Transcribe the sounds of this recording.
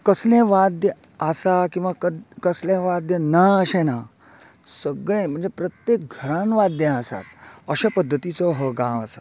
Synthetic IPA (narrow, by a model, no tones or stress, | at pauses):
kəslẽʋad̪jə | asakĩw̃ʋakəkəslẽʋad̪jənaəɕena | səɡɭẽm̤ə̃ɳd͡zepɾət̪jek̚ɡʱəɾãnʋad̪jə̃əsa̰t̪əɕapəd̪ʱːət̪it͡sɔɦəɡãʋəsḁ